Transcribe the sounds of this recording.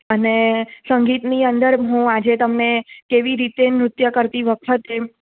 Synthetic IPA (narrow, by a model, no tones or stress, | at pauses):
ənesəŋɡit̪niənd̪əɾɦũad͡ʒet̪əmnekeʋiɾit̪emɾʊt̪jəkəɾt̪iʋəkʰət̪e